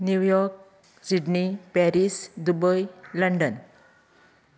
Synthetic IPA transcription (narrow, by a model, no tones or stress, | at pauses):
njujɔɾk̚ | siɖnipɛɾisd̪ubəjləɳɖən